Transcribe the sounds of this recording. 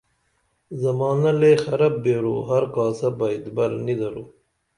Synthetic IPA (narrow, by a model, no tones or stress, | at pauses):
zɐmɑːnɐlexɐɾɐb̚ːeːɾṵːɦɐɾkɑːsɐbɐid̪bɐɾnid̪ɐɾuː